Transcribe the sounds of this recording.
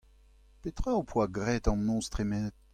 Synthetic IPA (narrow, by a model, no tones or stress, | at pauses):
pet̪χœopʰwaɡʁɛt̪ɑ̃mɔ̃st̪χimɛ